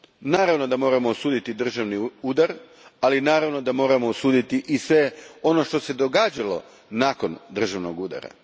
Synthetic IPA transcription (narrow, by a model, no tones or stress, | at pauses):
naːɾaʋno̞d̪amo̞ːɾamoːsuːd̪it̪id̪r̩ʒaʋniuːd̪aɾ | alinaːɾaʋno̞d̪amo̞ːɾamo̞osuːd̪it̪iʔisʋe̞o̞no̞ʃt̪o̞se̞d̪o̞ɡaːd͡ʒalo̞̰ | naːko̞nd̪r̩ʒaʋnoɡuːd̪a̰ɾa̰